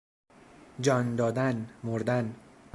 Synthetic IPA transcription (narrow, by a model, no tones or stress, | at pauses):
d͡ʒɒːnd̪ɒːd̪ænmoɾd̪æn